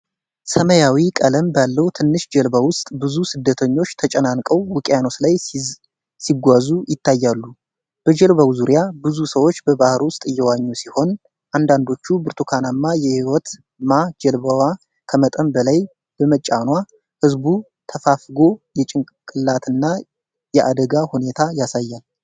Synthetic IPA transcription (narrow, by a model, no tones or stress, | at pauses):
səməjawikʼələmbalːəwut̪ʰɨnːɨʃd͡ʒɛlbawʊst̪ʼbɨzusɨd̪ːət̪ʰəɲːo̞t͡ʃːt̪ʰət͡ʃʼənankʼəwːɨkʼjano̞slaj | siɡʷazujɪt̪ːajːalːu | b̥əd͡ʒɛlβawzuɾjabɨzusəwo̞t͡ʃːbəbahɨɾwʊst̪ʼɨjːɛwaɲːusiho̞n | ʔand̪and̪o̞t͡ʃːubɨɾt̪ʰukʰanamːajɛhiwɔt̪ | mad͡ʒɛlbawa | kʰəmət̪ʼəmbəlaj | b̥əmət͡ʃʼːanwa | hɨzbu | t̪ʰəfafɡo̞jɛt͡ʃʼɪŋ | kʼɨlːat̪ʰɨnːa | jɛʔad̪əɡahune̞t̪ʰajasajːal